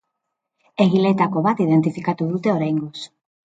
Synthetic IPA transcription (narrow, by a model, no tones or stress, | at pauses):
eɣilet̪akoβat̪iðent̪ifikat̪uðut̪eoɾeŋɡos